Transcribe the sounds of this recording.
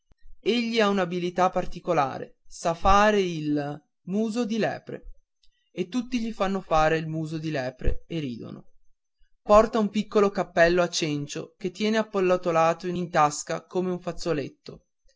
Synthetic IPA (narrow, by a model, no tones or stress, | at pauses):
eʎːiaunabilit̪apːart̪ikola̰ːɾḛsafaːɾeil | muːzod̪ilɛ̰ːpɾḛ | et̪ːut̪ːiʎifanːofaːɾeilmuːzod̪ilɛːpɾḛerḭːd̪o̰no̰ | pɔrt̪aumpikːolokapːɛlːoat͡ʃːent͡ʃok̟et̪ːjɛːneapːolːat̪olaːt̪oinint̪askakomeuɱfat̪sːolet̪ːo